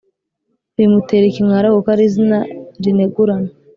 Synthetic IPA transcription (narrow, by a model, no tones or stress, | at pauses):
ɾimuteɾekimŋaɾahukaɾizinaɾineɡuɾana